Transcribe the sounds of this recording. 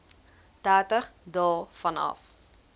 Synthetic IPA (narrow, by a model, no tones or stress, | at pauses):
tæːrtəχdɑːfɐnɐ̰f